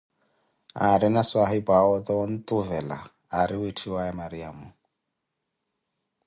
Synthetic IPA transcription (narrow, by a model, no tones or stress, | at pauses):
aɾinaswaɦibaɔt̪ɔɔnt̪ʼuvɛla̰ː | ɾiwitʰiwaɛmaɾiaːmu